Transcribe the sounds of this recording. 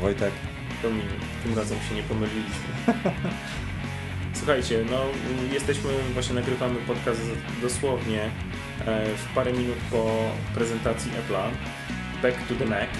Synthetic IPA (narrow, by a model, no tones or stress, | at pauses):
vɔjt̪ɛk | d̪ɔmʲiɲu | t̪ɘmɾazɛmɕɛɲɛpɔmɘlʲilʲiɕmɘ | swuxajt͡ɕɛnɔjɛst̪ɛɕmɘvwaɕɲɛnaɡɾɘvamɘpɔt̪kast̪ | d̪ɔswɔvɲɛ | fpaɾɛmʲinut̪pɔ | pɾɛzɛnt̪at̪sʲjiʔɛpla | bɛkt̪ud̪ɛnɛk̪